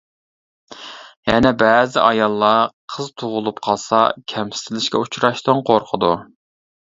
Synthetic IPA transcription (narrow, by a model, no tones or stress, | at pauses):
jɛnɛbɛzɪʔɑjɑlˠːɑqʰəzt̪ʰuʁʊlˠupqʰɑlˠsɑ̰kʲʰɛmsɪ̥t̪ʰɪlɪʃkʲɛut͡ʃɾɑʃt̪ɨnqʰoɾqʰəd̪u